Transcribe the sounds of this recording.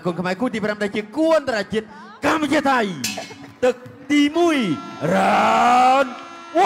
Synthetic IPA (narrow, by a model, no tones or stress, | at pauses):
ʔkuənkʰmaɛkuːt̪iːpramɗaɛt͡ɕiəkuənt̪aat͡ɕiət̪̚ | kamːat͡ɕiət̪ʰaj | t̪ɨk̚t̪iːmuəjra | n